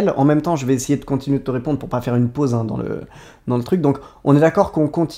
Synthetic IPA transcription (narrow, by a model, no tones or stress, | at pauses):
lɑ̰̃mɛmt̪ɑ̃ʒəvɛesejed̪əkɔ̃t̪inɥed̪ət̪əʁepɔ̃d̪ʁpuʁpafɛʁynpozɛ̃d̪ɑ̰̃lə̰ | d̪ɑ̃lət̪χyk̚d̪ɔ̃kɔ̃nɛd̪akɔʁkɔ̃kɔ̃t̪ʰ